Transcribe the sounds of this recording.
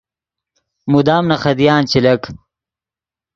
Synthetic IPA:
mud̪aːmnɐxɐd̪ijaːnt͡ɕilɐk

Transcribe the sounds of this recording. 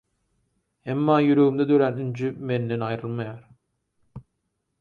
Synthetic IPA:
hemːaːjyɾøymd̪ɛd̪øɾænynd͡ʒymenlenɑjɾɯlˠmajaɾ

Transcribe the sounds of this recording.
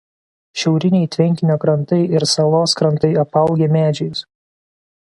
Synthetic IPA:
ʃʲɛʊɾʲɪnʲɛɪt̪ʲʋʲɛŋʲkʲɪnʲoːkɾɐnt̪ɐɪɪɾsɐlˠoːskɾɐnt̪ɐɪɐpɐˑʊɡʲeːmʲæːd͡ʒʲɛjʊs

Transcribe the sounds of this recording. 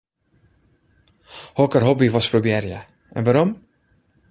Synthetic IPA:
hɔkəɾɦɔbivɑspɾobjɛɾjə | ɛ̰nvaɾɔm

